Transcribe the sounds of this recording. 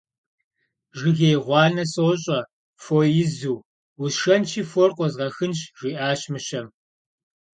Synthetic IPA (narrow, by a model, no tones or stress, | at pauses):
ʒɪɣejʁʷɑːnɐsoɕʼɐ | fojɪzuː | wʊsʃɐnt͡ʃʰiːforqʷʼɔzʁɐxɨnʃʒ̥ʷiːʔaːɕmɨɕɐm